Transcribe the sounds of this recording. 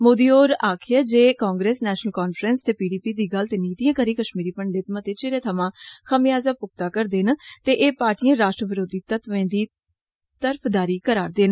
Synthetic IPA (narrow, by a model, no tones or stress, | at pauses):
moːd̪iːoːɾaːkʰɪjaːd͡ʒeːkaːŋɡɾeːsnɛːʃnəlkaːnfʰɾənst̪eːpiːɖiːpiːd̪iːɡəlt̪eniːt̪iːãːkəɾiːkəʃmiːɾiːpəɳɖɪt̪mãt̪eːt͡ʃeɾẽːt̪ʰəmãːxʰəmɪjaːzaːpʊk̚t̪aːkəɾd̪eːnt̪eːʔeːpaːɾʈiːãːɾaːʃʈɾəʋɪɾoːd̪iːt̪ət̪ʋẽːd̪iː | t̪əɾpʰd̪aːɾiːkəɾaːɾd̪eːn